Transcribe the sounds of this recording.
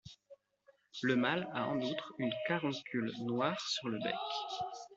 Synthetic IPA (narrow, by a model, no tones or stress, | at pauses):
ləmalaɑ̰̃nut̪χynkaʁɔ̃kʰʲylnwaːʁsyʁləbɛ̰k